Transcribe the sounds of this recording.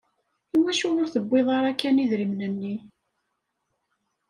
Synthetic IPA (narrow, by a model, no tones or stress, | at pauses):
iwæʃʊʁʊɾθəbːeðˤɑɾˤækːæniðɾimnənːi